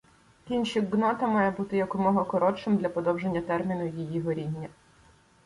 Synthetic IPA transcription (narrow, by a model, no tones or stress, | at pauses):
kʲinʲʃiɡnɔt̪ɐmɑjɛbut̪ɪjɐkʊmɔɦɔkɔɾɔt͡ʃɪmd̪lʲɐpɔd̪ɔwʒenʲːɐt̪ɛrmʲinʊjijiɦɔɾʲidʲːɐ